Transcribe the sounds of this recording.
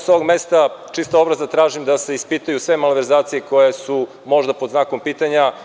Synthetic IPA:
soʋoɡme̞st̪at͡ʃist̪aobɾazat̪ɾaːʒimd̪ase̞ispit̪ajusʋe̞malʋeɾzaːt̪sije̞ko̞jesu | mo̞ʒd̪apod̪znaːko̞mpiːt̪aɲa

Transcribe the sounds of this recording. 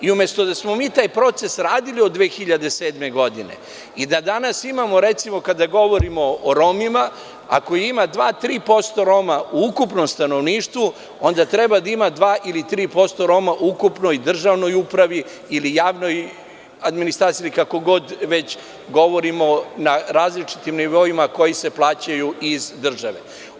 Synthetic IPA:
iumje̞st̪o̞d̪asmo̞miːt̪aːjpɾo̞t̪se̞sɾaːd̪iliod̪ːʋeːxiʎad̪ese̞ːd̪me̞ɡo̞d̪ine̞̰ | id̪ad̪anasimamo̞ɾe̞t̪simo̞kad̪aɡo̞ʋo̞ɾimo̞ːɾo̞mima | a̰kojeimad̪ʋaːt̪ɾiːpo̞st̪o̞ɾo̞mauukupno̞mst̪ano̞ʋniːʃt̪ʋu | o̞nd̪at̪ɾe̞bad̪aimad̪ʋaːʔilit̪ɾiːpo̞st̪o̞ɾo̞maʔukupno̞jd̪r̩ʒaʋno̞jupɾaʋi | ilijaːʋno̞j | ad̪minist̪ɾaːt̪silikako̞ɡo̞d̪ʋe̞t͡ɕ | ɡo̞ʋo̞ɾimo̞naɾaːzlit͡ʂi̥t̪imniʋo̞imako̞jise̞plˠaːt͡ɕajuizd̪r̩ʒaʋe̞̰

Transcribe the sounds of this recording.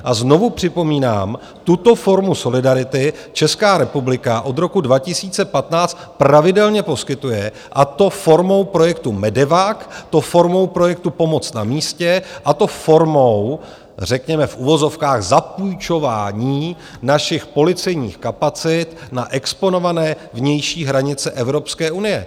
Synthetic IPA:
ʔazno̞vupr̝̥ɪpo̞miːna̰ːm | t̪ut̪o̞fo̞ɾmuso̞lɪdaɾɪt̪ɪ | t͡ʃɛskaːɾɛpublɪkaʔo̞d̪ɾo̞kudvacɪsiːt͡sɛpat̪naːt͡st̪̚pɾavɪdɛlɲɛpo̞skɪt̪ujɛ | ʔat̪o̞fo̞ɾmo̞wpɾo̞jɛkt̪umɛdɛvakt̪ofo̞ɾmo̞wpɾo̞jɛk̚t̪upo̞mo̞t͡sna̰miːscɛʔat̪o̞fo̞ɾmow | r̝ɛkɲɛmɛfʔuvo̞zo̞fkaːɣzapujt͡ʃo̞vaːɲiː | naʃɪxpo̞lɪt͡sɛjɲḭːxkapat͡sɪt̪naʔɛkspo̞no̞vanɛː | vɲɛjʃiːɦɾaɲɪt͡sɛʔɛvɾo̞pskɛːʔunɪjɛ̰

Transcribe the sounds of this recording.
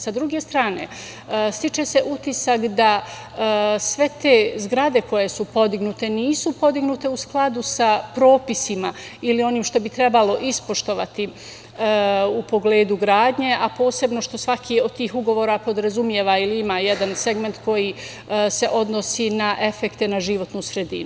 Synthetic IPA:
sad̪ɾuɡe̞st̪ɾaːne̞̰ | st̪it͡ʃe̞se̞ʔut̪isakd̪a | sʋe̞t̪e̞ːzɡɾad̪e̞ko̞je̞supo̞d̪iɡnut̪e̞niːsupo̞d̪iɡnut̪e̞usklˠad̪usapɾo̞ːpisima | ilio̞niːmʃt̪o̞bit̪ɾe̞balo̞ʔispo̞ʃt̪o̞ʋat̪i | upo̞ɡle̞ːd̪uɡɾaːd̪ɲe̞ʔapo̞ːse̞bno̞ʃt̪o̞sʋakʰio̞d̪̚t̪iːxuɡo̞ʋoːɾapo̞d̪ɾazumje̞ʋailiimajed̪anse̞ɡme̞nt̪ko̞ji | se̞ʔo̞d̪nosiːnaʔe̞fe̞kt̪e̞naʒiʋo̞t̪nusɾe̞d̪ḭnu

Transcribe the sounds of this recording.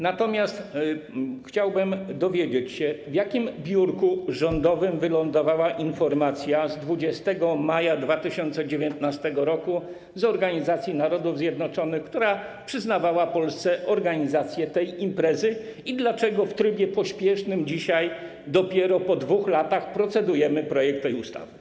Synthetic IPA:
nat̪ɔmʲjast̪ | xt͡ɕawbɘmd̪ɔvʲjed͡ʑet͡ɕɕɛvjakʲimbʲjuɾkuʐɔnd̪ɔvɘmvɘlɔnd̪ɔvawaʔinfɔɾmat̪sʲjazd̪vud͡ʑɛst̪ɛɡɔmajad̪vat̪ɘɕɔnt̪sɛd͡ʑevʲjɔnt̪nast̪ɛɡɔɾɔku | zɔɾɡaɲizat̪sʲjinaɾɔd̪uvzjɛd̪nɔt͡ʂɔnɘxkt̪uɾapʂɘznavawapɔlst̪sɛʔɔɾɡaɲizat̪sʲjɛt̪ɛjimpɾɛzɘ | id̪lat͡ʂɛɡɔft̪ɾɘbʲjɛpɔɕpʲjɛʂnɘmd͡ʑiɕaj | d̪ɔpʲjɛɾɔpɔd̪vuxlat̪axpɾɔt̪sɛd̪ujɛmɘpɾɔjɛk̚t̪ːɛjust̪a̰vɘ

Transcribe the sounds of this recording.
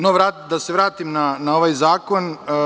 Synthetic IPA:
noʋɾaːd̪ase̞ʋɾaːt̪imnanao̞ʋajzaːko̞n

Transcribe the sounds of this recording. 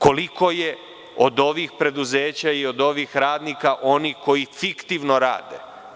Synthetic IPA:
ko̞liko̞je̞ | od̪o̞ʋixpɾe̞d̪uzeːt͡ɕaio̞d̪o̞ʋixɾaːd̪nikaʔo̞nihko̞jifikt̪iʋno̞ɾa̰ːd̪ḛ

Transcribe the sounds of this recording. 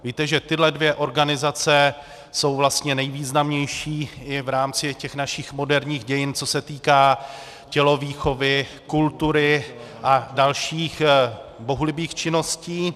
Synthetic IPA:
viːt̪ɛʒɛt̪ɪdlɛdvjɛʔo̞ɾɡanɪzat͡sɛ | so̞wvlast̪ɲɛnɛjviːznamɲɛjʃiːɪvɾaːmt͡sɪcɛxnaʃɪxmo̞dɛɾɲiːxɟɛjɪnt͡so̞sɛt̪iːkaː | cɛlo̞viːxo̞vɪ | kult̪uɾɪ | ʔadalʃiːxbo̞ɦulɪbiːxt͡ʃɪno̞sciː

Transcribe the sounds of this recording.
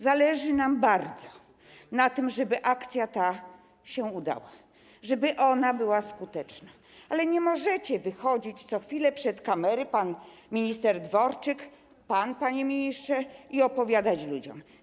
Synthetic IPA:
zalɛʐɘnambaɾd̪zɔ | nat̪ɘmʐɛbɘʔakt̪sʲjat̪a | ɕɛud̪a̰wa | ʐɛbɘʔɔnabɘwaskut̪ɛt͡ʂna | alɛɲɛmɔʐɛt͡ɕɛvɘxɔd͡ʑit͡ɕt̪sɔxfʲilɛpʂɛt̪kamɛɾɘpanmʲiɲist̪ɛɾd̪vɔɾt͡ʂɘk | panpaɲɛmʲiɲistʂɛiɔpɔvʲjad̪at͡ɕlud͡ʑɔ̰m

